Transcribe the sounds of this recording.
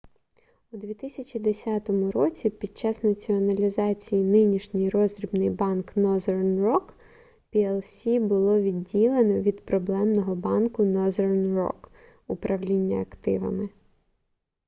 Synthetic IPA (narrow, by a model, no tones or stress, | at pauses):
ʊd̪ʲʋʲit̪ɪsʲɐt͡ʃʲid̪esʲat̪ɔmʊɾɔt͡sʲipʲid̪̚t͡ʃːɑsnɐt͡sʲiɔnɐlʲizɑt͡sʲijinɪnʲiʃnʲɪjrɔzɾʲibnɪjbɑnknɔzernrɔk | pʲiɛlˠsʲibʊlˠɔʋʲidʲːilˠenɔʋʲid̪pɾɔblˠɛmnɔɦɔbɑnkʊnɔzernrɔ̰k | upɾʔɐʋlʲinʲːɐɐkt̪ɪ̰ʋɐ̰mɪ